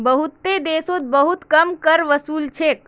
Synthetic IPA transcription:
bəɦut̪ːed̪eːsot̪̚bəɦut̪kəmkəɾʋəsuːlt͡ʃʰeːk̚

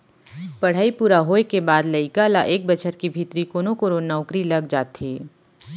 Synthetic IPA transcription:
pɐɽ̤aːipuːɾaɦoːekebaːd̪lɐɪkalaʔeːk̚bɐt͡ʃʰəɾkibʱit̪ɾikoːnõkoɾoːnaʊkɾilɐɡd͡ʒaːt̪ɦeː

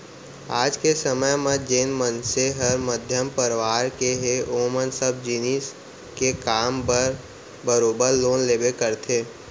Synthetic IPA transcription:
aːd͡ʒkesəməjmə̃d͡ʒeːnmənseɦəɾməd̪ʱjəmpəɾɪʋaːɾkeɦeʔoːmənsəb̚d͡ʒiːnis | kekaːmpəɾ | bəɾoːbəɾloːnleːbekəɾt̪ʰeː

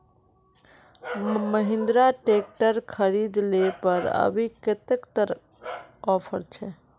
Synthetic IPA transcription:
məɦɪ̃nd̪ɾaʈek̚ʈəɾkʰəɾid̪lepəɾə̰bʱikɪt̪ekt̪əɾ | ɔpʰəɾt͡ʃʰɛ

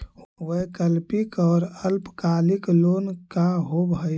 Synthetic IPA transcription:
wəkəlpikɔːɾəlpkaliklonkaɦobəj

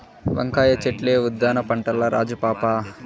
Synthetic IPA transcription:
ʋɐ̰ŋkaːjɐt͡ʃeʈleːud̪ːaːnɐpɐɳʈɐlːɐɾa̰ːd͡ʒupaːpaː

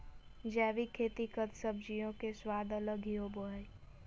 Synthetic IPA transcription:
d͡ʒɛːʋikʰeːt̪ikət̪səbd͡ʒijõkeswaːd̪ələɡʱioboɦəj

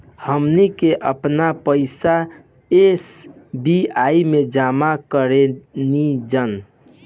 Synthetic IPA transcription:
həmnikeʔəpnapəɪsa | esbiaimed͡ʒamakəɾenid͡ʒən

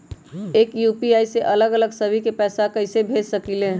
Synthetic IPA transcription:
eːkjupiaːiseʔələɡələɡsəbʱikepɛːsakəɪsebʱed͡ʒsəkilẽː

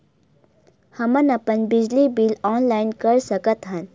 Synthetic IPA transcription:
hɐmənɐpənbid͡ʒlibilɔːnlaɪnkəɾsəkət̪ɦən

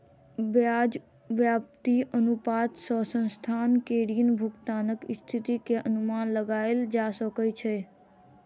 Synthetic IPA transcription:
ʋjad͡ʒ | ʋjap̚t̪iʔənupat̪səsə̃nst̪ʰankeɽiənbʱʊkt̪aːnəkɪst̪ʰit̪ikeʔənumanləɡaeld͡ʒasəkət͡ʃʰe

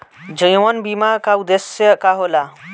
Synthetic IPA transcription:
d͡ʒəjwɐnbimakaud̪esjəkaɦola

